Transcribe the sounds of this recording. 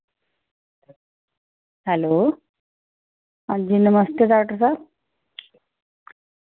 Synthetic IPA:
hɛlo | ad͡ʑinəməst̪ed͡z̪aʈosa

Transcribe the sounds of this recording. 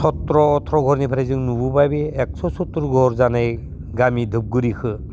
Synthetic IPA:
sɔtɾɔːtʰɾɔɡʱɔɾnipʰaɾejzɯŋnububajbeːk̚sɔsɔtːuɾɡʱɔɾzanaj | ɡamidʱɯp̚ɡɯɾikʰɯ

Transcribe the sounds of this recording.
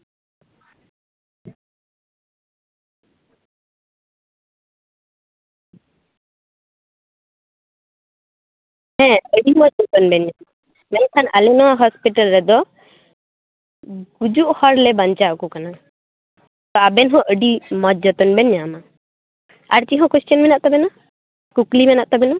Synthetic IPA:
hɛ̃əɖimɔt̪̚d͡ʒɔt̪ɔnbɛnjama | mãk̪ʰanalɛnɔwaɦɔspiʈalɾɛd̪ɔ | ɡud͡ʒuʔhɔɾlɛbaɲt͡ʃakukana | t̪ɔabɛnɦɔ̃ʔəɖimɔt̪̚d͡ʒɔt̪ɔnbɛnjama | a̰ɾt͡ʃiɦɔ̃kest͡ʃjɔnbɛnaʔt̪ɔbɛna | kuklibɛnaʔt̪ɔbɛnɔ

